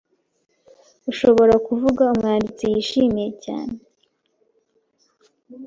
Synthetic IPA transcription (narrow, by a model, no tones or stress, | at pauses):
uʃo̞βo̞ɾakuvuɡaumŋaːndit͡sijiʃimije̞ca̰ːne